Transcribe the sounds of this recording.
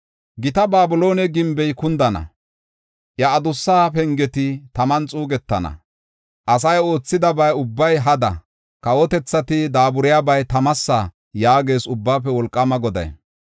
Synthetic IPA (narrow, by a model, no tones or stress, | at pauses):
ɡɪt̪ɐbaːbʊlo̞ːnɛɡɪmbɛjkʊnd̪ɐnɐ̰ | ʔjɐːd̪ʊsːaːpɛŋɡɛt̪ɪt̪ɐmɐnt͡sʼuːɡɛt̪ːɐnɐ̰ | ʔɐs̬ɐjo̞ːt͡sːɪd̪ɐbɐjʊbːɐjɦɐd̪ɐ̰ | kɐwɔt̪ɛt͡sːɐt̪ɪd̪aːbʊɾɪjaːbɐjt̪ɐmɐsːa | jaːɡe̞ːsʊbːaːpːɛwɔlkʼːɐmɐɡɔd̪ɐ̰j